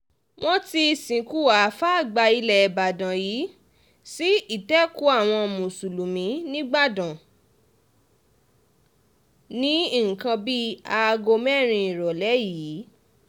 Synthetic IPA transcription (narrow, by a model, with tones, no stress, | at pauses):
w̃ʔɔ̃˦ti˧˨sĩ˨˦ku˦˨wa˨˦fa˦a˦˨ɡ͡ba˧i˧lɛ˨ba˨dã˨ji˨˦ | si˦i˦˨tɛ˦ku˨˦a˦˨w̃ɔ̃˧mũ˨su˨lũ˨mĩ˨˦nĩ˦ɡ͡ba˦˨dã˨ | nĩ˨˦i˦˨ŋ̩˨kã˧bi˦a˧ɡo˧mɛ˦˨ɾ̃ĩ˧ĩ˨ɾɔ˨lɛ˨˦ji˨˦